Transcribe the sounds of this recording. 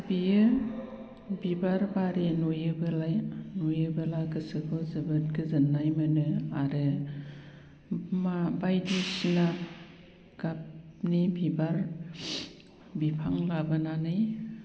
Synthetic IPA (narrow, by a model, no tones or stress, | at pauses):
bijɯ | bibaɾbaɾenojɯbɯlajnojɯbɯlaɡɯsɯkʰɔzɯbɯt̚ɡɯzɯnːajmɯnɯaɾɯ | mabajdisina | ɡ̥apnibibaɾ | bipʰaŋlabɯnanɯj